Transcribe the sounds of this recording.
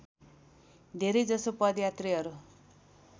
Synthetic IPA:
d̪ʱeɾejd͡zʌsopʌd̪jat̪riʌɾu

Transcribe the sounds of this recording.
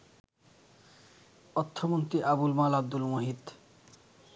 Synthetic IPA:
ɔt̪ʰːomont̪ɾiʔabulmalab̚d̪ulmoɦid̪

